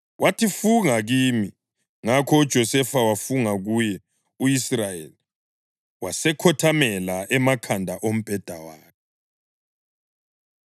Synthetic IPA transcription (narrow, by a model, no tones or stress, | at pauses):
wʔatʰifuŋaɣimi | ŋakʰɔud̥ʒ̥ʱɔsɛfawafuŋaɣujɛ | uisrajḛli | wasɛkʰɔtʰamɛlaʔɛmakʰandʱaʔom̩b̥ʱɛd̥ʱawaːk̚ʰɛ